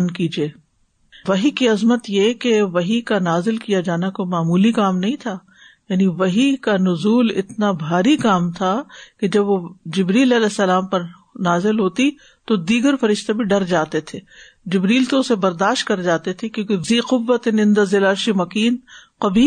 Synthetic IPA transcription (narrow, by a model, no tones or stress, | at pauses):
nkiːd͡ʒieː | ʋɐɦikiɐzmət̪jekeʋɐɦikanaːzɪlkijad͡ʒaːnakomaːmuːlikaːmnɐɦĩt̪ʰaː | jaːniʋɐɦikanʊzuːlɪ̰t̪nabʱaːɾikaːmt̪ʰaked͡ʒɐbʋod͡ʒɪbɾiːlɐlɛːsːɐlaːmpɐɾ | naːzɪlɦoːt̪i | t̪od̪iːɡəɾfɐɾɪʃt̪ebʱiɖɐɾd͡ʒaːt̪et̪ʰeː | d͡ʒɪbɾiːlt̪oʊsebɐɾd̪aːʃt̪̚kɐɾd͡ʒaːt̪et̪ʰekjõːkeziːqʊʋːət̪enɪ̃nd̪azɪlaːɾʃimɐkiːnqɐbiː